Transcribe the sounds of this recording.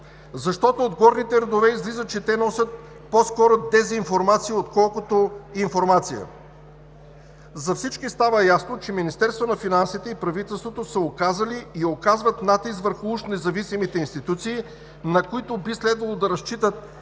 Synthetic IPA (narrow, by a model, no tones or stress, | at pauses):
zɐʃt̪ɔt̪oːd̪ɡɔɾnit̪ɛɾɛd̪ovɛizlizət͡ʃɛt̪ɛnɔsʲət̪̚ | poskɔɾod̪ɛzinfoɾmat̪siiot̪kɔlˠkot̪oinfoɾmat̪sijə̰ | zɐfsit͡ʃkist̪avəjasnot͡ʃɛminist̪ɛɾst̪vonɐfinansit̪ɛipɾɐvit̪ɛlˠst̪vot̪osəokazəliiokazvət̪nat̪is̬kvəɾxʊuʃnɛzɐvisimit̪ɛinst̪it̪ut̪siː | nɐkoit̪obislɛd̪vɐlˠod̪ɐɾɐst͡ʃit̪ət̪̚